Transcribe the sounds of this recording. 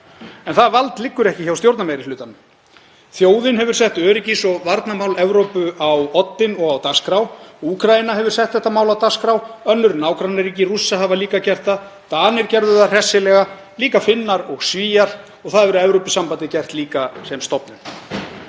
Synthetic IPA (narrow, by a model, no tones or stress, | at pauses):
ɛnθaðvalt̪lɪkːʏɾɛhcɪçawst̪jowɾt̪namejɾɪlʏːt̪anʏm | θjoːwðɪnɦɛvʏɾ̥sɛht̪œːɾɪcɪsɔvaɾt̪namawlɛvɾowpʏawɔt̪ːɪnɔɣawt̪askɾawuːkʰɾajɪnaɦɛvʏɾ̥sɛht̪θɛht̪ːamaːwlawt̪askɾawœnːʏɾnaːwkɾanaɾiːcɪrusːaɦavaliːkacɛr̥t̪a | t̪aːnɪɾcɛɾðʏðar̥ɛsːɪlɛɣa | liːkafɪnːaɾɔɣsviːjaɾ̥ | ɔɣθaðvɛɾʏɛvɾowpʏ̥sːampant̪ɪcɛr̥t̪liːkasɛmst̪ɔpnʏn